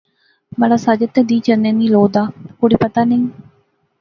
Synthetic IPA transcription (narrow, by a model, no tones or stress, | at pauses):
məlasad͡ʒɪt̪ːed̪iːt͡ʃənːẽniːloːd̪aːkʊɽipət̪aːnɪŋ